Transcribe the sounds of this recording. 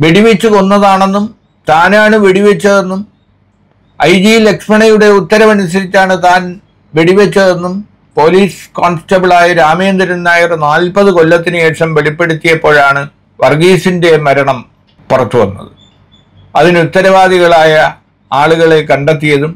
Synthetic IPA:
ʋeɽiʋet͡ɕːuko̞nːɐðaːɳe̞nːum | t̪aːnaːɳɨʋeɽiʋet͡ɕːɐðe̞nːum | ɐjd͡ʑile̞ksmɐɳɐjuɽe̞ut̪ːɐɾɐmɐnus̬ɐɾit͡ɕːaːɳɨt̪aːn | ʋeɽiʋet͡ɕːɐðe̞nːum | po̞ːliːsko̞ːɳstːɐbiɭaːjɐɾaːmeːnd̪ɐɾɐnːaːjirnaːlpɐðɨko̞lːɐt̪ːinɨeːʂɐmʋe̞ɭipːe̞ɽut̪ːijɐpːo̞ːɻaːɳɨ | ʋɐrɡiːsinde̞mɐɾɐɳɐm | purɐt̪ːuʋɐ̰nːɐ̰ðɨ | ɐðinut̪ːɐɾɐʋaːðiɣɐɭaːjɐ | aːɭuɣɐɭe̞kɐɳɖet̪̬ːijɐðum

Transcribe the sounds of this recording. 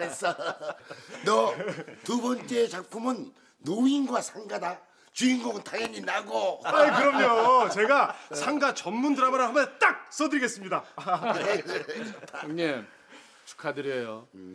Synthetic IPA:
es͈ʌ | nʌtubʌnt͡ɕ͈e̞ːt͡ɕak̚pʰumɯnː | oinɡwasʰaŋɡada | t͡ɕuiŋɡomɯntaŋjʌɲinaɡoakɯɾʌmɲot͡ɕe̞ɡasʰaŋɡat͡ɕʌmːundɯɾamaɾɯɦambʌt͈ak̚s͈ʌdɯɾiɡe̞s͈ɯmɲida | ne | t͡ɕu̥kʰadɯɾiejo

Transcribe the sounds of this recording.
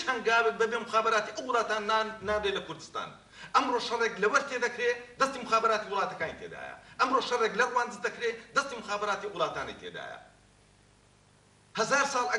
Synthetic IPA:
it͡ʃhɐŋɡaːbɨk̚bɐbemxaːbɐɾaːt̪iʔɐwɨlˠaːt̪aːnnaːbɾelɐkʰʊɾd̪ɨst̪a̰ːn | ʔɐmɾoʃɐreːklɐwɐɾt̪ʰed̪ɐkɾed̪ɐst̪iːmɨxaːbɐɾaːt̪iwɨlˠɑːt̪ɐkaːnit̪ʰḛd̪a̰ːjɐ̰ʔɐmɾoːʃɐreːklɐrwaːnd̪ɨzd̪ɐkɾed̪ɐst̪iːmɨxaːbɐɾaːt̪iwlˠɑːt̪aːnɐ̰jt̪ʰḛd̪a̰ːjɐ̰ | hɐzaːɾsɑːlˠɐ

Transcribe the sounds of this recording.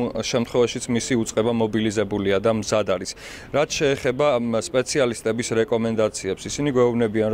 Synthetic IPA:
ʃɛmt̪χwɛvaʃit̪sʰmisiut̪sʼqʼɛbamɔbilizɛbuliad̪amzad̪aɾis | ɾat̪ʰʃɛːχɛbaspʼɛt̪sʰialist̪ʼɛbisɾɛkʼɔmɛnd̪at̪sʰiɛpsisiniɡwɛubnɛbian

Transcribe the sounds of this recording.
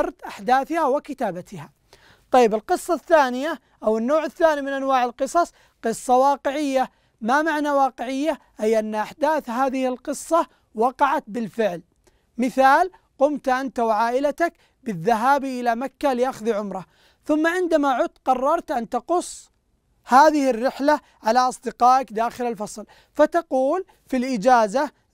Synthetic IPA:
ɑɾˤt̪ʔaħd̪aːθɪhawɪkɪt̪aːbat̪ɪha | t̪ˤɑjːɪbɪlqɨsˤːɑθːaːnɪja | ʔawɪnːoːʕɪθːaːnimɪnʔanwaːʕɪlqɨsˤɑsˤ | qɨsˤːɑwɑːqɪʕɪjːa | mamaʕnawɑːqɪʕɪjːaʔajʔanːʔaħd̪aːθɦaːðɪhɪlqɨsˤːɑ | wɑqɑʕat̪̚bɪlfɪʕl | mɪθaːl | qʊmt̪ʔant̪awʕaːʔɪlat̪ak | bɪðːaɦaːbiʔɪlamakːalɪʔaxðiʕʊmɾˤɑ | θʊmːaʕɪnd̪amaʕʊt̪qɑrˤːɑɾˤt̪ʔant̪ɑqʊsˤː | haːðɪhɪrːɪħla | ʕalaʔɑsˤd̪ɪqɑːʔakd̪aːxɪlalfɑsˤl | fat̪ɑquːl | filʔɪd͡ʒaːza

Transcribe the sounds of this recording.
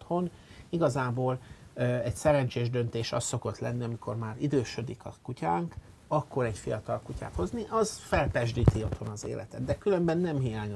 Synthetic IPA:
t̪ho̞niɡɒzaːboːlɛcsɛɾɛnt͡ʃeːʒd̪ø̞nt̪eːʃɒ̰st̪ːo̞ko̞t̪lɛnːiɒmikʰo̞rmaːɾid̪øːʃø̞d̪ikɒkucaːŋk | ɒkːo̞ɾɛɟfijɒt̪ɒlkuca̰ːt̪ho̞zniʔɒzfɛlpɛʒd̪iːt̪io̞t̪ho̞nɒzḛːlʔɛ̰t̪ɛd̪d̪ɛkylø̞mbɛnːɛmɦijaːɲ

